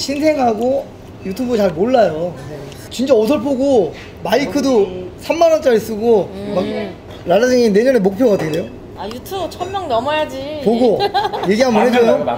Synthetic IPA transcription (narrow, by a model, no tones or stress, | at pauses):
ɕʰinsʰe̞ŋɦaɡo | jutʰubɯt͡ɕaɭmoɭːajo | t͡ɕint͡ɕaʌsʰʌɭpʰoɡo | maikʰɯdosʰamːanʌnt͡ɕ͈aɾis͈ɯɡomak̚ | ɾadadɯŋine̞ɲʌnemok̚pʰjoɡadʰendejo | ajutʰut͡ɕʰʌmːjʌŋnʌmʌjad͡ʑipoɡoje̞ɡiɦamɯnɦed͡ʑojo